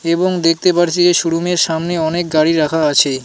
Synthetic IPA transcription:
eboŋd̪ek̚ʰt̪epaɾt͡ɕʰid͡ʑeʃuɽumeɾʃamneɔnek̚ɡaɽiɾakʰaat͡ɕʰe

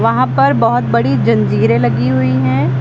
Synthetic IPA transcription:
ʋɐɦãpɐɾbɐɦʊt̪̚bɐɽid͡ʒɐ̃nd͡ʒiːɾẽlɐɡiɦʊiɦɛ̃ː

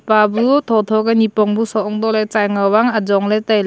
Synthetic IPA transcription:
pabut̪ʰɔt̪ʰɔɡanipɔŋbusɔɔŋdɔlejt͡ʃajŋawaŋad͡ʒɔŋletajl

